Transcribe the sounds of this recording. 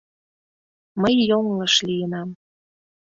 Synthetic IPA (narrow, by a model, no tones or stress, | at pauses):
məjːoŋləʃlijənɑm